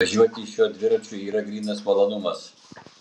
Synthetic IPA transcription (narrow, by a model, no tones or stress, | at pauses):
ɐʒʲuɔt̪ʲɪʃʲuɔd̪ʲʋʲɪɾɐt͡ʃʲʊiːɾɐɡɾʲiːnɐsmɐlˠonʊmɐs